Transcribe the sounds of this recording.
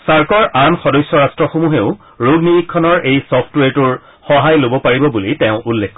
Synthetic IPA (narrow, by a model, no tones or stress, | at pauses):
saɹkɔɹʔanxɔdɔjsjɔɹastɹɔxomuɦeʊ | ɹoɡniikʰːɔnɔɹʔejsɔpʰtweɹtʊɹ | xɔɦajlobɔpaɹibɔbulitẽʊ̃ʔulːekʰːɔ